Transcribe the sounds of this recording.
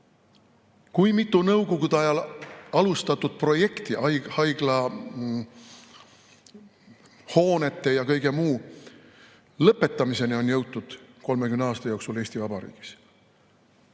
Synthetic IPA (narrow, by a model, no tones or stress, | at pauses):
kujmit̪ːˑunɤwɡoɡud̪eɑjɑlɑlust̪ɑt̪ːud̪̥̚pro̞je̞kt̪iʔɑjhɑjɡ̥lɑ | ho̞ːne̞t̪ːˑe̞jɑkɤjɡ̥e̞muː | lɤpːˑe̞t̪ːˑɑmise̞nio̞njɤwt̪ːud̪̥ko̞lmekymneɑːst̪ɑjo̞ːksuleːsʲt̪ivɑb̥ɑɾḭːɡ̥i̥s